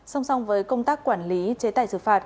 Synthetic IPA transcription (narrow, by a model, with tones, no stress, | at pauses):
sa˧wŋ͡msa˧wŋ͡mvəː˨˦jkə˧ŋ͡mt̪aː˦˥k̚kwaː˧˩nli˨˦t͡ɕe˨˦t̪aː˧˨jsɨ̰˧˩faː˧˩t̚